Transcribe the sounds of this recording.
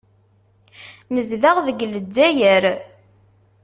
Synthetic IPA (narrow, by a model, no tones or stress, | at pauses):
məzðaʁðəɡlədːæjəɾ